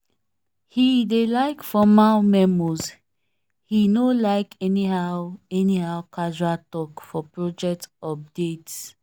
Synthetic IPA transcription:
hidelaɪkfɔmaʊmɛ̃mɔz | hinolaɪkɛniɦaʊɛniɦaʊkad͡ʒuatɔkfɔpɹɔd͡ʒɛk̚tɔp̚det

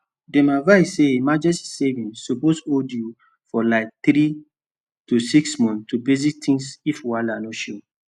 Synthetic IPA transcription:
dɛ̃mavaɪsːeemad͡ʒɛstsevĩnsuposoldju | fɔlaɪk̚θɾi | tusiksmɔ̃ntubezik̚tʰĩŋsifwalanoʃo

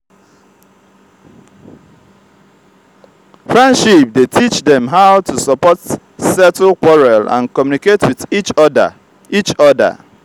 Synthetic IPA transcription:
fɹɛ̃ndʃip̚detʰit͡ʃdɛ̃mɦaʊtʰusɔpɔt | sɛtlkwɔɹalã̰nkɔmjuniketwiðit͡ʃd | it͡ʃɔdə̰

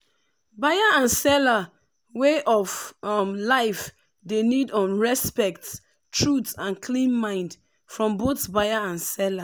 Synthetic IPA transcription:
bajaãnsɛla | weʔɔfmlaɪf | denidɔ̃nɹɛspɛk̚t | tʰɹutãnkʰlĩnmãɪ̃nd | fɹɔ̃mbotbajaãnsɛla

